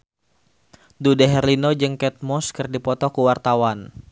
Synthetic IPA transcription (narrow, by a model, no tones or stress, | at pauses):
dudaɦɛrlinod͡ʒəŋkɛt̪̚mɔskərdipɔt̪ɔkuwart̪awan